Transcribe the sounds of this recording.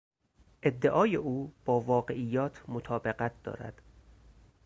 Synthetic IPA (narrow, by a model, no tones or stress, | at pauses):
ʔe̞d̪ːe̞ʔɒːjeʔuːb̥ɒːvɒːɢe̞ʔijːɒːt̪ʰmot̪ʰɒːbe̞ɣæt̪̚ʰd̪̥ɒ̰ːɾæ̰d̪̥